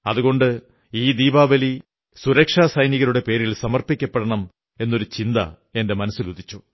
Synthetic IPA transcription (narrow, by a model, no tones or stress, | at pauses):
ɐðuɣo̞ɳɖɨ | iːd̪iːbaːʋɐli | suɾɐkʂaːsɐjniɣɐɾuɽe̞pe̞ːɾilsɐmɐrpikʲːɐpːeɽɐɳɐm | e̞nːo̞ɾut͡ɕind̪ɐ̰ | e̞nde̞mɐnɐsilud̪ʱit͡ɕːu